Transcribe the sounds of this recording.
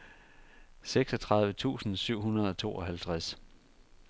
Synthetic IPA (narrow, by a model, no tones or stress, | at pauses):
seɡ̥sɒ̽t͡sʰʁɑ̈ð̞ˠʋət͡sʰṵːsn̩syʊ̰ɦunɐð̞̩ˠɒ̽t͡sʰo̝̰ːɒ̽ɦælt͡sʰʁas